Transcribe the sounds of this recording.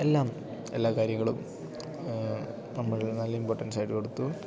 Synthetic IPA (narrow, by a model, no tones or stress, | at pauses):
e̞lːaːm | e̞lːaːkaːɾjɐŋːɐɭum | nɐmːɐɻnɐlːɐimpoːʈːɐnsaːjiʈːɨko̞ɽut̪ːu